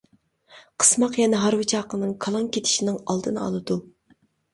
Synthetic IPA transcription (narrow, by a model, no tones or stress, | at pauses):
qʰə̥smɑqjɛnɛɦɑɾwɨt͡ʃʰɑːqənɨŋkʰɑlˠɑŋkʲʰet̪ʰɪ̥ʃinɨŋɑ̰lˠd̪ɨnɑ̰lˠɨd̪u